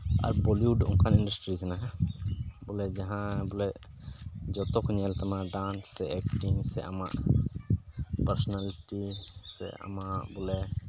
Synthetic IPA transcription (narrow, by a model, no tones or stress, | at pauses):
a̰ɾbɔliuɖṵŋkʰaniɳɖasʈɾikana | bulɛd͡ʒaɦãbulɛ | d͡ʒɔt̪ɔkʰuɲɛlt̪amaɖanɛɛk̚ʈiŋsɛʔa̰maʔ | pəɾsɔnaliʈisɛ̰a̰maʔbulɛ